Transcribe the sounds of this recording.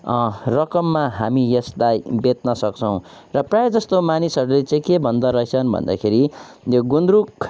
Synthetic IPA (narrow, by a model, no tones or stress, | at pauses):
rʌkʌmːaɦamijeslajbet̪nʌsʌk̚t͡sʰʌw̃ | rʌprajed͡zʌst̪omanisʌɾulet͡sãĩkebʱʌnd̪ʌɾʌɦet͡sʰʌnbʱʌ̰nd̪a̰kʰeɾijoɡund̪ɾuk